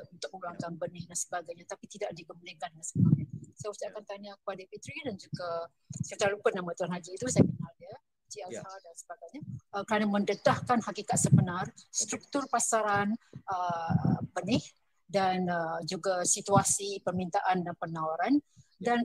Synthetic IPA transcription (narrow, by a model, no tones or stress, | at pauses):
unt̪ʊk̚uluaŋkanbənɪhdansə̥baɡajɲat̪apit̪idaʔdikəmulakandansəbaɲasajaut͡ʃaʔkant̪aɲakə̥padapit̪ɾidand͡ʒuɡa | sət͡ʃaɾalupənamət̪uanhad͡ʒiit̪usajəbənarda | t͡ʃiahadansəbaɡajɲaəkəɾanamə̃ndət̪ahkanhakikat̪̚səbənarst̪ɾuk̚t̪ʊrpasaɾanəbənɪh | danəd͡ʒuɡasit̪uasipərmint̪aʔanapənawaɾandan